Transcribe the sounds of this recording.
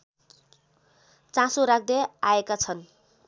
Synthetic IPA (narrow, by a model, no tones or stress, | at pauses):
t͡sãsoɾak̚ʰd̪eaekat͡sʰʌn